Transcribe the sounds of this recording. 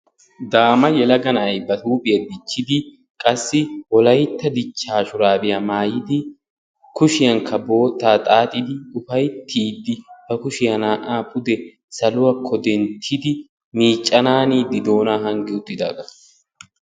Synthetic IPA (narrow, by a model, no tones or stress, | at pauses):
d̪aːmɐjɛlɐɡɐnɐɐjbɐt̪uːbɪjɐd̪ɪt͡ʃːɪd̪ɪ | kʼɐsːɪwɔlɐjt̪ːɐd̪ɪt͡ʃːaːʃʊɾaːbɪjɐmaːjɪd̪ɪ | kʊʃɪjɐŋkʰɐbo̞ːt̪ːaːt̪ʼaːt̪ʼɪd̪ɪʊfɐjt̪ʰiːd̪ːɪb̥ɐkʊʃɪjɐnaːʔaːpʼʊd̪ɛ | sɐlʊwɐkʰːɔd̪ɛnt̪ʰɪd̪ɪ | miːt͡ʃʼːɐnaːniːd̪ɪd̪o̞ːnaːɦɐŋɡɛʊt̪ːɪd̪a̰ːɡɐ